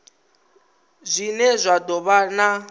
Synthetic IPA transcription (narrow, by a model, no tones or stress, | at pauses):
zʷinɛzʷadɔβana